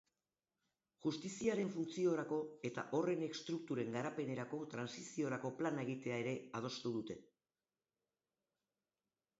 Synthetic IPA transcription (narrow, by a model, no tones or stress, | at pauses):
ʝust̪isiaɾe̞ɱfunt͡sio̞ɾako̞e̞t̪a̰ʔo̞re̞ne̞kst̪ɾuk̚t̪uɾe̞ŋɡaɾape̞ne̞ɾako̞t̪ɾansisio̞ɾako̞planae̞ɣ̞it̪e̞ae̞ɾe̞að̞o̞st̪uð̞ut̪e̞